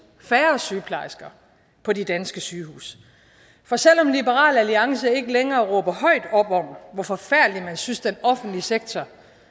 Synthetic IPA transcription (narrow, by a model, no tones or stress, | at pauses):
fæːɐsyːpʰlɑ̈ɪsɡ̥ɐ | pʰɒ̽de̝d̥ænsɡ̥əsyːhṵːs | fɒ̽sel̰ɒ̽mnlibəʁɑ̰̈ːlæliɑ̈ŋsəe̝ɡ̥əleŋɐːʁɔːb̥ɐhɒ̽ɪ̰d̥ɒ̽b̥ɒm̩ʋɒfɒ̽fæɐ̰d̥limænsynsd̥enɒ̽fn̩d̥liseɡ̥̚t͡sʰɒ